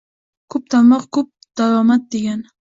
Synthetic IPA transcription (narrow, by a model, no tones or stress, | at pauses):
kʰɵp̚t̪ʰanmɒqkʰɵp̚d̪̥aɾɒmat̪̚d̪e̞ɡʲan